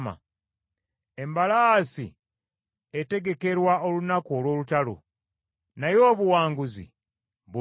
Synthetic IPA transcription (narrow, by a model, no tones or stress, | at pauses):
ma̰ | e̞mbalaːsḭ | ete̞ɡe̞ke̞ɾwao̞lunakuolwo̞ːlutalo̰ | najo̞ːβuwaːŋɡuzḭ | βu